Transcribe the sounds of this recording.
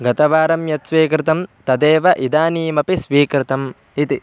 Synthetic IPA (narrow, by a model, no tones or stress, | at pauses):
ɡɐt̪ɐʋaːɾɐmjɐt̪sʋiːkɾɪt̪ɐmt̪ɐd̪eːʋɐʔid̪aːniːmɐpisʋiːkɾɪt̪ɐm | it̪i